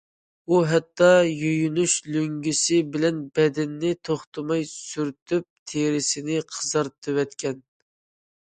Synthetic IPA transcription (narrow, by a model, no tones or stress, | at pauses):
uɦɛt̪ːɑjøjynyʃløŋɡʲysɪbɪlɛnbɛd̪ɪnːɪt̪ʰoχt̪ʰɨmɑjsyɾt̪ʰyp̚t̪ʰeɾɪsɪnɪqʰəzɑɾt̪ʰɨwɛt̪kʲɛn